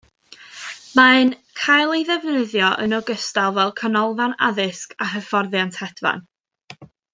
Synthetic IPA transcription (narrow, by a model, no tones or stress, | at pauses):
maɨnkʰajlˠejðɛvnəðjɔʔə̰nɔɡəstalˠvɛlˠkʰənɔlˠvana̰ðɪskaɦəfɔrðjantʰhɛd̥va̰n